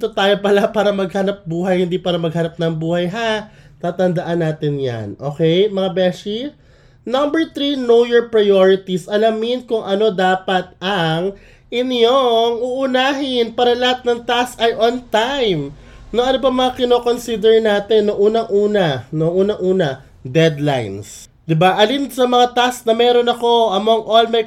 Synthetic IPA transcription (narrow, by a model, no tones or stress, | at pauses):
t̪ot̪aːjopɐlapaːɾɐmɐɡ̚hanɐp̚buːɦɐjhɪnd̪iːpaːɾɐmɐɡ̚hɐnɐp̚nɐŋbuːhɐjɦat̪aːt̪ɐnd̪ɐʔanːaːt̪ɪnja̰nʔo̞ːkɛjmɐŋabɛʃi | nɐmbɛɹt̪ɾinojɛɹpɹɐajoɹɪt̪isʔɐlamɪnkʊŋʔɐno̞d̪aːpɐt̪̚ɐŋ | ʔɪnjoŋuːʔʊnaːɦɪnpaːɾɐlɐhat̪̚nɐŋt̪astɐjʔont̪ajm | noŋʔɐnobɐmɐŋakɪnoːko̞nsid̪ɛɹnaːt̪ɛnːoŋʔuːnɐŋʔuːnɐnoŋʔuːnɐŋʔuːnɐ | d̪ɛd̪lajns | d̪ɪbaʔɐlind̪sɐmɐŋat̪asknɐmɛːɾo̞nɐko̞ʔɐmoŋʔolmɐj